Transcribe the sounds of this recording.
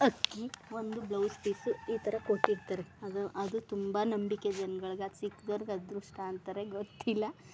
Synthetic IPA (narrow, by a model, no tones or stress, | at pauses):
ɐkːiʋo̞nd̪ublɐwspisuiːt̪ʰɐɾɐkoʈːiɽt̪aɾeɐd̪ɐʔɐd̪ut̪umbɐnɐmbiked͡ʒɐnɡɐɭɡasikːd̪oːɾɡɐd̪ɾuʂʈaːnt̪ɐɾeɡot̪ːilːɐ